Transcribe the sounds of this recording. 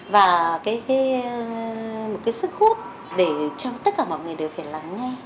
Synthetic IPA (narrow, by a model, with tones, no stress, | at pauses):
vaː˨˩kaː˨˦jkaː˨˦j | mo˨˩t̚kaː˨˦sɨ˦˥k̚hu˦˥ət̚ | ɗe˧˩t͡ɕɔ˧t̪ə˦˥t̚kaː˧˩mɔ̰˧˨jŋɨ˨˩jɗe˨˩wfaː˧˩jlaː˨˩mŋɛ˧